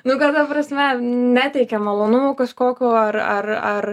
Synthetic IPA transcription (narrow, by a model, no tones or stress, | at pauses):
nʊkɐt̪ɐpɾɐsʲmʲɛnʲæt̪ʲɛɪkʲɛmɐlˠoːnʊmoːkɐʃkoːkʲoːɐrɐrɐr